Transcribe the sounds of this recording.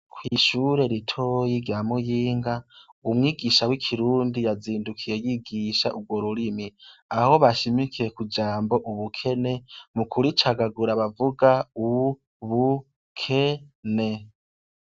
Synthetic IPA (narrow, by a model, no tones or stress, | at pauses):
kʰwiːʃuːɾe̞ɾitʰoːjiɾjamujiːŋɡaumŋiːɡiʃawikʰiɾuːndijaziːndukʰije̞jiɡiʃaʔuɡwo̞ɾuɾimiaho̞βaʃimikiɾe̞kud͡ʒaːmbo̞ʔuβukʰe̞ne̞mukʰuɾit͡ʃaɡaɡuɾaβavuɡau | βu | kʰe̞ne̞